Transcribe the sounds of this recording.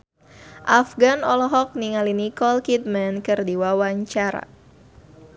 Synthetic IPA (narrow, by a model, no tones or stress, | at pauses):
ʔafɡanɔlɔɦɔk̚niŋalinikɔlkit̪̚mɛnkɨrdiwawaɲt͡ʃaɾa̰